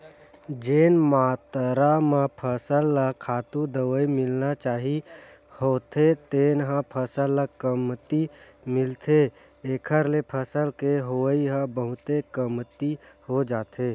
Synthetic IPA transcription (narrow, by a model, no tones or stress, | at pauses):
d͡ʒeːnmaːt̪ɾamãpʰəsəlːəkʰːaːt̪ũd̪əʋəimɪlnat͡ʃaːɦi | hoːt̪ʰet̪eːnɦãpʰəsəlːəkəmt̪imɪlt̪ʰe | eːkʰəɾlepʰəsəlkeɦoiɦə̃bəɦʊt̪ekəmt̪ihod͡ʒaːt̪ʰe